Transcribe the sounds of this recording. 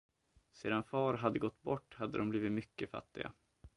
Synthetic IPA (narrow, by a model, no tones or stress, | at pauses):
seːd̪anfɑːɾɦad̪ːəɡɔt̪ːbɔʈːhad̪ːə̰d̪ɔmbliːvɪt̪mʏkːəfa̰t̪ːɪɡa̰